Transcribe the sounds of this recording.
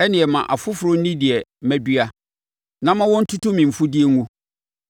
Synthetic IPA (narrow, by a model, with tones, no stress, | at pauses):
ɛ˦nɪ̃˨ɛ˨mã˨ʔa˨fʊ˦fʊ˨ɾʊ˦n̩˦nĩ˦di˨ɛ˨˦mæ̃˦bi˦a˦ | nã˦mã˦wɔ̃˦n̩˦tʰu˦tʊ̃˦mĩ˨m̩˨fʊ˦di˦ɛ˦ŋũ˦